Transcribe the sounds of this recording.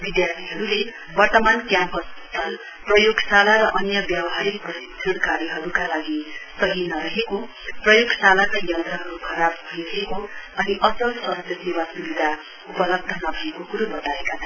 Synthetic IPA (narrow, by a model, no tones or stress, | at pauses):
bid̪jart̪ʰiɦʌɾule | bʌrt̪ʌmankjãmpʌsʌst̪ʰʌl | prʌjoɡsalaɾʌʔʌnjʌbjawɦaɾik̚prʌsitʰʌnkaɾjʌɦʌɾukalaɡisʌɦinʌɾʌɦeko | prʌjoɡsalakajʌnt̪rʌɦʌɾukʰʌɾab̚bʱʌjɾʌɦekoʌniʔʌsʌlsʌɦʌd͡zʌsewasubid̪ʱa | upʌlʌb̚d̪ʱʌnʌbʱʌekokuɾobʌt̪aekat͡sʰʌ